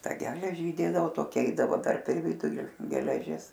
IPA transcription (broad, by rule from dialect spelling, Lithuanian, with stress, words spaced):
ˈtɑː ˈɡʲæːlʲɛʒʲɪ iːˈdʲeːdɐʋoː toːˈkʲɛ ˈɛɪdɐʋoː pʲɛr pʲɛr ˈʋʲɪdʊlʲɪ ɡʲɛlʲɛˈʒʲɪs